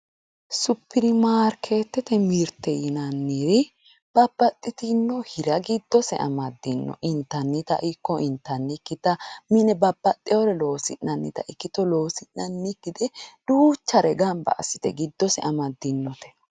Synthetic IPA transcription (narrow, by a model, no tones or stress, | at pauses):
sʊpːɪdɪmaːɾkʰe̞ːt̪ːɛt̪ɛmiɾt̪ːɛjɪnɐnːiɾɪ | b̥ɐbːɐt̪ʼːɪt̪ɪnːɔhɪɾɐɡɪd̪ːɔsɛ̰ʔɐ̰mɐd̪ːɪnːɔ̰ʔɪnt̪ːɐnːɪt̪ɐ̰ʔɪkːɔʔɪnt̪ːɐnːɪkːɪt̪ɐmɪnɛbɐbːɐt̪ʼːɪjɔɾɛlo̞ːsɪnːɐnːɪt̪ɐ̰ʔɪkːɪt̪ɔlo̞ːsɪnːɐnːɪkːɪd̪ɛd̥uːt͡ʃːɐɾɛɡɐmbɐ̰ʔɐ̰sːɪ̥t̪ɛ̰ɡɪd̪ːɔsɛɐmɐd̪ːɪnːɔt̪ɛ̥